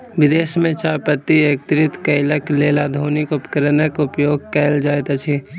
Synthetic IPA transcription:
ʋɪd̪eːʃmẽt͡ʃaːpət̪ːiek̚t̪ɾɪt̪kəɪləkleːlad̪ʱoːnɪkʊpkəɾnəkʊpjoːɡ̚keld͡ʒaːet̪ət͡ʃʰi

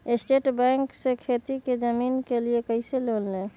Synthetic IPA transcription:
esʈeʈbɛ̃ŋksẽkʰet̪iked͡ʒəminkeliekəɪselolne

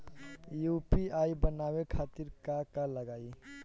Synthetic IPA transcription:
jupiaibənawekʰat̪iɾkakaləɡai

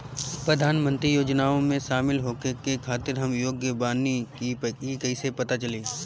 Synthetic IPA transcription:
pɾəd̪ʱaːnmə̃nt̪ɾijoːd͡ʒnaːõmẽʃaːmɪlɦoːkekekʰaːt̪ɪɾɦɐmjoːɡjəbaːnikipkikɐɪsepɐt̪at͡ʃɐleː

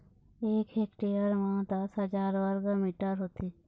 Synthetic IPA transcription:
eːkeːkʈeːəɾmãːd̪asəd͡ʒaːɾʋəɾɡəmiːʈəɾɦoːt̪iː

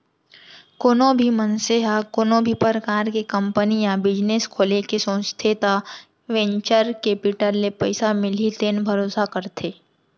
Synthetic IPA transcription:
koːnõbʱimənseɦakoːnõbʱipəɾkaːɾkekə̃mpənijãbɪd͡ʒneskʰoːlekesõːst̪ʰet̪a | ʋɛ̃ɲt͡ʃəɾkeːpɪʈəlːepəɪsamɪlit̪eːnbʱəɾoːsakəɾt̪ʰeː

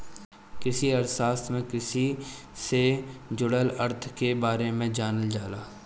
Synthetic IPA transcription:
kɪsiəɾsaːst̪mẽkɪsised͡ʒʊɽələɾt̪ʰkebaːɾemẽd͡ʒaːnəld͡ʒaːlaː

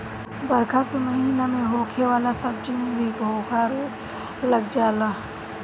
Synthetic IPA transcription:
bəɾkʰaːk̪oməɦiːnamẽɦoːkʰeʋaːlasəbd͡ʒənũbʱiːbʱoːkʰaːɾo | ləɡd͡ʒaːlaː

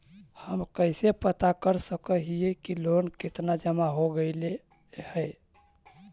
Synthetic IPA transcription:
həmkəjsepət̪akəɾsəkəɦijekilonket̪nad͡ʒəmaɦoɡəɪle | həɪ

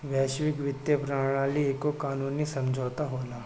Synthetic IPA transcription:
ʋɛːʃʋɪkʋɪt̪jəpɾaːɽ̃aːlieːkokaːnuːnisɐ̃md͡ʒʱoːt̪aɦoːlaː

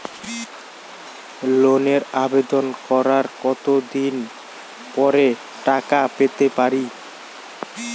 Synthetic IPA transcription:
loneɾabed̪onkɔɾaɾkɔt̪od̪in | pɔɾe | ʈakapet̪epaɾi

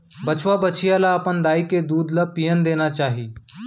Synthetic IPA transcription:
bət͡ʃʋabət͡ʃʰijalaəpənd̪aːiked̪uːd̪lapijənd̪eːnat͡ʃaːɦiː

